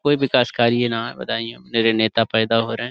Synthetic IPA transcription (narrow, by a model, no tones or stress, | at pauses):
koːiʋɪkaːskaːɾienaɛbɐ̰t̪aːiẽneɾeneːt̪apɛːd̪aɦoːɾɐɦɛ̃ː